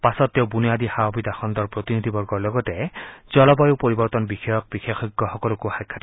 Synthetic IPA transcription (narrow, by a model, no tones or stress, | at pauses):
pasɔt̪ːewbunijad̪ihaobid̪axʰɔnd̪ɔɹpɹot̪inid̪ʱibɔɹɡɔɹlɔɡɔtɛd͡ʒɔlɔbɔjupoɹibɔɹt̪ɔnbixɔjɔk̚bixexɔɡːɔxɔkɔlɔkuhajkʰːat